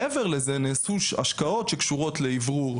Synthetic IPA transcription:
eveʁlezeneːsua̰ʃkao̞tʃekʃuʁo̞tleivʁuʁ

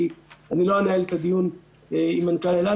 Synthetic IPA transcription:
ianiloanaelt̪ad̪ijun | eimankanela

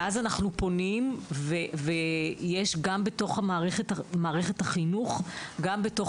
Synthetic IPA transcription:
ʔazanaχnupo̞nimvevejeʃɡambeto̞χhamaːʁeχetamaːʁeχethaχinuχɡambeto̞

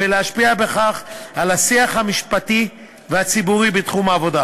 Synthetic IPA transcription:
eleaʃpiabe̞χaχalasiaχhamiʃpati | veat͡sibuʁibetχumaːvo̞da

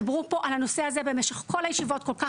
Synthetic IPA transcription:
bʁupo̞ʔalano̞seazebemeʃeχko̞lajeʃivo̞t̚ko̞lka

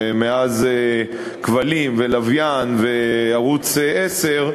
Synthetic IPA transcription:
meaze | kvalimvelavjanve̞aʁut͡sʔeseʁ

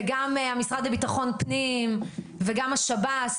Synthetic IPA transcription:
ɡamamisʁad̪lebitaχo̞npnim | veɡamaʃabat

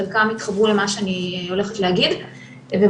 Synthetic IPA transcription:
alkamit̪χabʁule̞maʃeanio̞le̞χetleɦaɡid̪ | ve

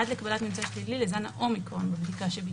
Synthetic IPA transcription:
adlekabalat̪mimt͡saʃlililezanaʔo̞mikʁo̞nbebdikaʃebi

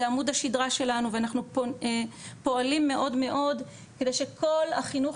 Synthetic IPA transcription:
amudhaʃidʁaʃe̞lanuveanaχnu | po̞alimːe̞ʔo̞dme̞ʔo̞d | kede̞jʃe̞kʰo̞lhaχinuχ

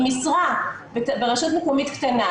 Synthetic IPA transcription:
misʁa | bbeʁaʃotmekomit̪kt̪ana

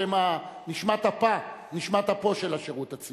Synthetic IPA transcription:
emaniʃmat̪hapaniʃmat̪apo̞ʃelaʃeʁut̪at͡s

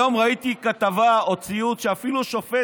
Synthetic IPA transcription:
o̞mʁait̪ikat̪avaot͡siut̪ʃeafiluʃo̞fe

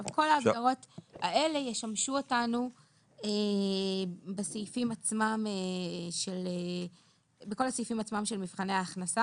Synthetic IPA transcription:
avko̞laːɡdaʁo̞taʔe̞le̞jeʃamʃuotanu | e | besejifimat͡smameʃele | beko̞lasejifimat͡smamʃelmifχane̞aːχnasa

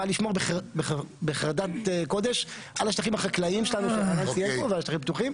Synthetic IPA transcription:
aliʃmo̞ʁbeχbebeχaʁd̪at̪eko̞d̪e̞ʃ | ʔalaʃt̪aχimaχaklaimʃelanuʃeaansijepovealaʃt̪aχimpt̪uχim

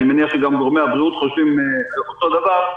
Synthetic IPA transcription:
nimeniaχʃeɡamɡoʁmeabʁiut̪χoʃvimeot̪od̪avaʁ

